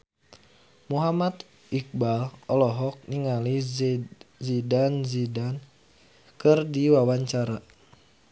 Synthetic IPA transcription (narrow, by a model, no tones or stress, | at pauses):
muɦamat̪ | ik̚balɔlɔɦɔk̚niŋali | zidanzidan | kɨrdiwawaɲt͡ʃaɾa